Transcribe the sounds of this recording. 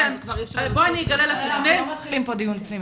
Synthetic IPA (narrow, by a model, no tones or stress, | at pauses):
enaboaniiɡalelaflifnelimpod̪iunpnim